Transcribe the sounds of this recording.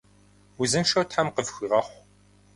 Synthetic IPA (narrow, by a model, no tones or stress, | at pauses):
uzɨnʃɐwtħamqəvxɨʁɐχʷ